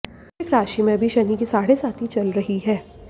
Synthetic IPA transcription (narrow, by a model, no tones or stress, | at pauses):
ɪkɾaːʃimẽbʱiʃɐnikisaːɽesaːt̪ʰit͡ʃɐlɾɐɦiɦɛː